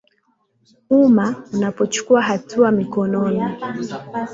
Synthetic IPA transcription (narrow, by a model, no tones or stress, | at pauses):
umaunapɔt͡ʃu̥kuaɦatʰuamikɔnɔni